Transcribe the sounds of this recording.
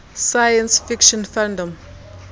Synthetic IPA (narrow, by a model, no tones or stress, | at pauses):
saɪə̃nsfɪkʃə̃nfæ̃ndə̃m